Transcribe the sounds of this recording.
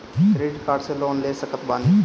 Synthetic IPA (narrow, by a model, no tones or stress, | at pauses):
t̪ɾeːɖkaːɖseloːnleːsəkət̪baːni